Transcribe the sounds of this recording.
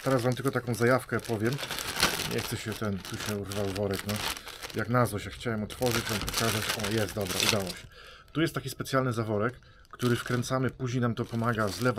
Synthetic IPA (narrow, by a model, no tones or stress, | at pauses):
t̪ɛɾasvamt̪ɘlkɔt̪akɔ̃w̃zajafkɛpɔvʲjɛmɲʔɛ̰xt̪sɛɕɛt̪ɛnt̪uɕɛuɾvawvɔɾɛknɔjaknazvɔɕɛxt͡ɕawɛmɔt̪fɔʐɘt͡ɕvampɔkazat͡ɕɔjɛst̪d̪ɔbɾaʔud̪awɔɕɛ | t̪ujɛst̪ːakʲispɛt̪sjalnɘzavɔɾɛkː | t̪uɾɘfkɾɛnt̪samɘpuʑɲejnamt̪ɔpɔmaɡazlɛv